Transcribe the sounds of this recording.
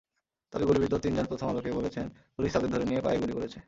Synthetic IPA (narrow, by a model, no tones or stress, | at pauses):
t̪ɔbeɡolibid̪ot̪ind͡ʑonpɾot̪ʰoma̰lokebolet͡ɕʰenpoɾiʃt̪ʰad̪eɾd̪ʱoɾenijepa̰eɡolikoɾet͡ɕʰe